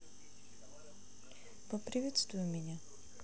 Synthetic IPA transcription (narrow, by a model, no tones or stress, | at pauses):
pɔpɾivɛt̪st̪vujumiɲa